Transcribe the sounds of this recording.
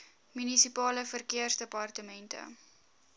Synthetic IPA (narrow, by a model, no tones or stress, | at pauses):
mynisipɑːləfərkiərsdəpɐrtəmɛntə̰